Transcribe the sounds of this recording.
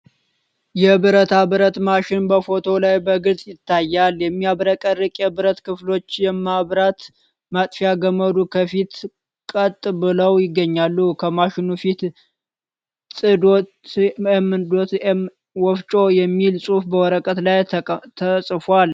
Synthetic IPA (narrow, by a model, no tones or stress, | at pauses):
jɛbɨɾət̪ʰabɨɾət̪maʃɪnbəfo̞t̪ʰo̞lajbəɡɨzʼjɪt̪ʰːajːaljɛmːiaβɾəkʼərɨkʼjɛbɨɾət̪kʰɨflo̞t͡ʃːjɛmaβɾat̪ | mat̪ʼfiaɡəmːəd̪ukʰəfit̪ | kʼət̪ʼbɨləwjɪɡːəɲːalːukʰəmaʃɪnufit̪ | sʼɨd̪o | ɛmɨd̪o̞t̪ | wɔft͡ʃʼo̞jɛmːilsʼufbəwɔɾəkʼət̪laj̪ʰəsʼɨfwal